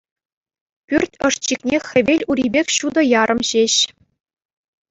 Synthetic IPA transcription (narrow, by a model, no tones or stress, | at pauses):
pʲyrʲtʲɤ̆ʂt͡ɕiknʲexʲɘ̆ʋʲelʲuɾʲibʲekʲɕud̪ɤ̆jɑɾʔɤ̆mɕeɕ